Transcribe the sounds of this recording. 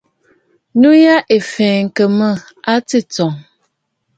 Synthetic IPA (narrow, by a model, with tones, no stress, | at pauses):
nu˦ja˦ʔe˨fɛː˨ŋ̩˨kə˨mə˦ | a˦ti˦t͡sɔ˨ŋ